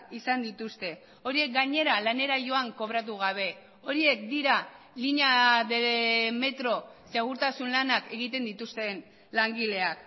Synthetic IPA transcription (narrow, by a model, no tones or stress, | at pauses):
isand̪it̪ust̪e̞ | o̞ɾie̞k̚ɡaɲe̞ɾalane̞ɾaʝo̞aŋko̞β̞ɾat̪̬uɣ̞aβ̞e̞ | o̞ɾie̞kd̪iɾa | liɲaðeleme̞t̪ɾo̞seɣ̞uɾt̪asunlanake̞ɣ̞it̪e̞nd̪it̪ust̪e̞n | laŋɡile̞ak